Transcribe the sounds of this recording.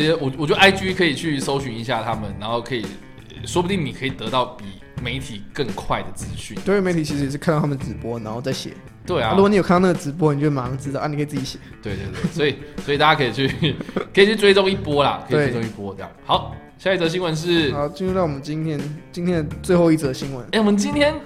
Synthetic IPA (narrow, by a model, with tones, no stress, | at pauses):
ə˧wɔ˨˩˨ɔ˨˩t͡ɕjo˥˩a˥ɪt͡ɕy˥kʰɤ˧˥i˨˩t͡ɕʰy˥˩so˥ʊɕy˧˥ni˧˥ɕja˥˩t̪ʰa˦mə˨nna˧˥nxo˥˩ʊkʰɤ˧˥i˨˩ | ʂwɔ˥bu˧t̪i˥˩ŋni˨˩kʰɤ˧˥i˨˩t̪ɤ˧˦t̪ɑ˥˩ʊpi˨˩ | me˧˥ɪt̪ʰi˨˩kə˥˨ŋkʰwa˥˩ɪd̪ə˩t͡sɹ̩˦ɕy̰˥˩n˥˧˥me˧˦ɪt̪ʰi˨˩t͡ɕʰi˧˥ʂɻ̩˧jɛ˨˩ʂɻ̩˥kʰa˥˧ɑ˥˩a˥ə˩ə˩t͡sɻ̩˧˥pwɔ˥na˧nxo˥˧ʊt͡sa˥˩ɪɕjɛ̰˨˩˦ | t̪we˥˩ɪa˨u˥˨ni˨˩kʰa˥˧ɑ˥˩na˥˩ə˩t͡sɻ̩˧˥p̬wɔ˥n˨˩t͡ɕoɔ˧˥˩a˧˥˩t͡sɹ̩˥t̪ɑ˥˩ʔa˥˩ni˨kʰə˥˨˩t͡s̩˥˩t͡ɕi˨˩ɕjɛ̥˨˩˦t̪we˥˧ɪt̪we˥˧twe˥˩swɔ˧˥i˨swɔ˧˥i˨˩t̪a˥˩t͡ɕja˥kʰɤ˧˥i˨˩t͡ɕʰy˥˩kʰə˧˥i˨˩t͡ɕʰy˥˩t͡swe˥ɪt͡so˥˧ŋi˥˩pwɔ˥lɐ̰˨kʰə˧˥˨we˨˥˩we˥t͡so˥˧ŋi˥˩pwɔ˦˧tɤ˥˧jɑ̰˥˨˩xɑ˧˦ʊ | ɕja˥˧i˥˩t͡sə˧ə˧ɕi˧˥nwə˧˦nʂ̬ɻ̩˥˩xa˨˧˦ʊt͡ɕi˥nɻu˥˧t̪ɑ˥˩ʊwɔ˨˩ə˦nt͡ɕi˥nt̪ʰjɛ˥nt͡ɕi˧˥nt̪ʰjɛ˥nd̪ə˨t͡swe˥˧ɪxo˥˧ʊi˥˩t͡sə˥˩ə˧ɕi˧˥ŋwə̰˧˦ne˥˩wɔ˨mə˨nt͡ɕi˥nt̪ʰjɛ˥n